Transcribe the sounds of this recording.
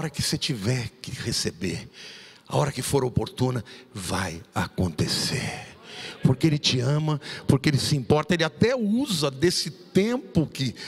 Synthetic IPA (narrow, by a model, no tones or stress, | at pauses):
ɔɾɐkɪset͡ʃivɛɾkɪhesebḛɾ | a̰ɔɾɐkɪfoɾɐopoɾt̪ũnɐvajakõnt̪esḛɾpoɾkeelɪt͡ʃɪɐ̃mɐpoɾkeelɪsɪĩpɔɾt̪ɐelɪat̪ɛuzɐd̪esɪt̪ẽpʊkɪ